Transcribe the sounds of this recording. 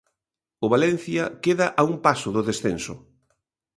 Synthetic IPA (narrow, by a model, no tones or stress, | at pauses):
ʊβalɛn̟θjɐkeðɐʔaumpasʊðʊðesθensʊ̰